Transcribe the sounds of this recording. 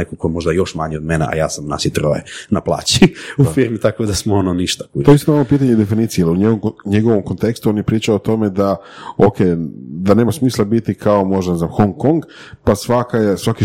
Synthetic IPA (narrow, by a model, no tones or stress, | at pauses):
ekokoemo̞ʒd̪ajo̞ʃmaɲeod̪menḛʔa̰ja̰ːsamna̰ʃit̪ɾojḛnaplˠa̰ːt͡ɕiufiɾmit̪akod̪asmoononiʃt̪ḁkuoeist̪inoalopiːt̪̬aɲed̪efiniːt̪sijeliuɲeɡomɲeɡo̞ʋomkont̪e̞kst̪uonjepɾiːt͡ʃaoːt̪o̞me̞d̪a | okʰed̪ane̞ːmasmiːslˠabit̪ikʰaomo̞ʒd̪aneznamxoŋko̞ŋɡ | pasʋakajesʋaki